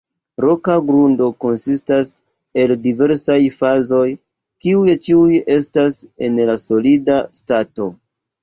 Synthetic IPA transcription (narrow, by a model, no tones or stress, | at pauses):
ɾo̞kaɡɾundo̞ko̞nsistas | e̞ldive̞ɾsajfazo̞j | kiujt͡ʃiuje̞stase̞nlaso̞lidastato̞